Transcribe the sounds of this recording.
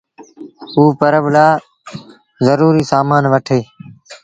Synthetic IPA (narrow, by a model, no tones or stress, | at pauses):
uːpəɾəblaː | zəɾuːɾiːsaːmaːnʋəʈʰeː